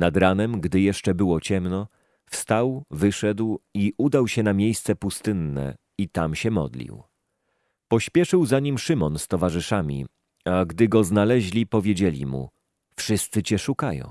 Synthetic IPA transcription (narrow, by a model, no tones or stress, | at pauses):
nad̪ɾanɛmɡd̪ɘjɛʂt͡ʂɛbɘwɔt͡ɕɛmnɔ | fst̪awvɘʂɛd̪wiʔud̪awɕɛnamʲjejst̪sɛpust̪ɘnːɛ̰ | it̪amɕɛmɔ̰d̪lʲḭw | pɔɕpʲjɛʂɘwzaɲimʂɘmɔnst̪ɔvaʐɘʂamʲḭ | aɡd̪ɘɡɔznalɛʑlʲipɔvʲjed͡ʑelʲḭmṵ | fʂɘst̪sɘt͡ɕɛʂukajɔ̰̃w̃